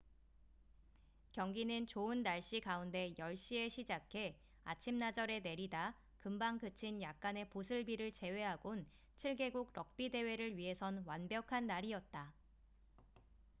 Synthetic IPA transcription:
kjʌŋɡinɯnt͡ɕoɯnːaɭɕ͈ikaunde̞jʌɭɕ͈ie̞ɕʰid͡ʑakʰe̞ | a̰t͡ɕʰimnad͡ʑʌɾe̞ne̞ɾida | kɯmbaŋkɯt͡ɕʰinjak̚k͈ane̞posʰɯɭbiɾɯɭt͡ɕe̞we̞ɦaɡon | t͡ɕʰiɭɡe̞ɡuɡ̚ɾʌk̚p͈ide̞we̞ɾɯɭɥiɦe̞sʰʌnwanbjʌkʰanːaɾiʌt̚t͈a

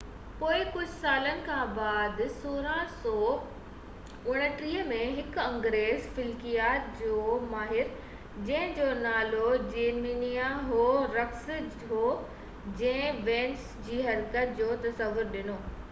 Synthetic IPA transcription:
poːɪkʊd͡ʑʱsaːlənɪ̆kʰãːbaːd̪soːɾãsɔː | ʊɽ̃ə̆ʈɾiːəmẽɦɪkɐ̃ŋɡɾeːzfɪlkijaːd͡ʑoːmaːɦɪɾ | d͡ʑɐ̃ɦɪ̃d͡ʑoːnaːlod͡ʑeːɾmiːnijaɦoːɾɐksɪd͡ʑ | ɦoː | d͡ʑɐ̃ɦɪ̃ʋɛ̃ːns | d͡ʑiːɦɐɾkət̪̚d͡ʑoːt̪ɐsɐʋʊɾɗɪnoː

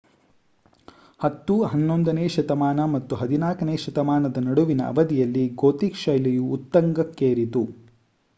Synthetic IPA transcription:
hɐt̪ːuɦɐnːond̪ɐneːʃɐt̪ɐmaːnɐmɐt̪ːuɦɐd̪inaːkɐneːʃɐt̪ɐmaːnɐd̪ɐnɐɽuʋinɐ̰ɐ̰ʋɐd̪ijɐlːiɡoːt̪ikʃɐjlijuːt̪ːɐŋɡɐkːeːɾit̪u

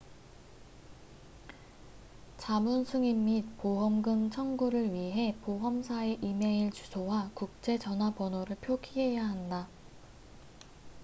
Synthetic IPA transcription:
t͡ɕamunsʰuŋimːit̚poɦʌmɡɯŋt͡ɕʰʌŋɡuɾɯɭɥiɦe̞poɦʌmsʰae̞ʔime̞iɭt͡ɕusʰowakuk̚t͡ɕ͈e̞t͡ɕʌnɦwapʌnoɾɯɭpʰjokʰiɦe̞jaɦanda

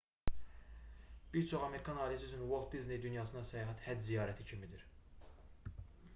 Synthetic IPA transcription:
b̥iɾt͡ʃʰo̞χɑme̞ɾikʰɑnɑːlijæsysʰynwolˠt̪̚d̪izne̞jd̪ynjɑːsɯnɑsæjɑːɦæt̪hæd͡ʒzijɑːɾæt̪ʰicʰimid̪iɾ

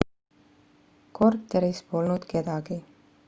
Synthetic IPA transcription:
ko̞rt̪ːˑeɾispo̞lnud̪̥ke̞d̪ɑɡ̥i

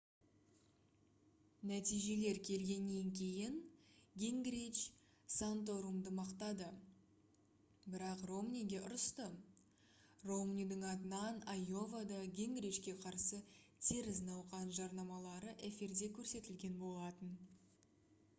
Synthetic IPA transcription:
næt̪ijʒe̞le̞ɾkʲʰe̞lɡʲe̞nːe̞ŋkʲʰe̞jɪnɡʲeŋɡɾit͡ʃ | sant̪o̞ɾumd̪əmɑqt̪ɑd̪ə | bɪɾɑqro̞mnʲijɡʲe̞ʔʊɾəst̪ə | ro̞mnʲijd̪ɪŋɑt̪ənɑnajo̞vad̪ɑɡʲe̞ŋɡɾit͡ʃkʲe̞qʰɑɾsət̪ʲʰeɾɪznɑwqɑnʒɑɾnɑmɑlˠɑɾəʔefʲird̪e̞kʲʰɵɾse̞t̪ɪlɡʲe̞nbo̞lˠɑt̪ən

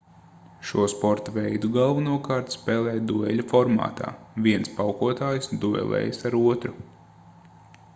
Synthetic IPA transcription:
ʃuɔspɔɾt̪avɛjd̪uɡalˠvanuɔkaːɾt̪spɛːlˠɛːjd̪uɛlʲafɔɾma̰ːt̪ʰa̰ːvʲiɛnspawkuɔt̪aːjsd̪uɛ̰lˠɛ̰ːjsaɾuɔt̪ɾu

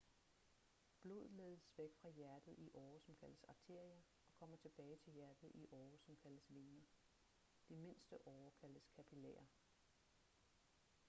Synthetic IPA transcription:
b̥lo̝̰ːð̞̩ˠleːðˠəsʋeɡ̥fʁɑ̈jæɐd̥ð̩ˠiʔɒːsɒ̽mkʰæl̰d̥əsɑ̈ɡ̚t͡sʰe̝ɐ̰iɐ | ɒ̽kʰɒ̽m̰ɐt͡sʰe̝b̥ɛːɪt͡sʰe̝ljæɐd̥ð̩ˠiʔɒːsɒ̽mkʰæl̥əsʋe̝nɐ | d̥ime̝n̰sd̥əʔɒːkʰæld̥əskʰæpʰilɛ̰ːɐ

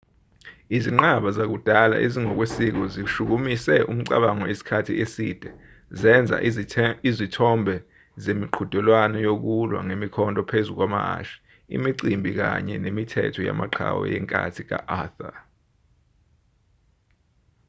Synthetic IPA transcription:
iziŋ͡ǃaɓazak̬ud̥ʱala̰ʔeziŋɔk̬wesik̬ɔziʃuk̬umisɛʔum̩ǀa̰ɓaŋɔisi̥kʰatʰiesḭd̥ʱɛ | zɛnd͡zʱa̰ʔizitʰɔmbʱɛ | zemiǃʰud̥ʱulwanɔjok̬ulwa̰ŋemikʰɔntʼɔpʰezuk̬wamaa̰ʃi̥ | ḭmiǀimbʱik̬a̰ɲɛ̰nemitʰɛ̰tʰɔja̰maǃʰa̰wɔ̰jɛŋkʼa̰tʰik̬a̰ʔaθa

